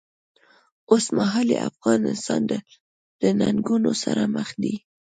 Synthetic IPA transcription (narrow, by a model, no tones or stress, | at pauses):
osmaɦɑleafɣɑnɪst̪ɑnd̪ə | d̪̥ənaŋɡunosaɾaməxd̪i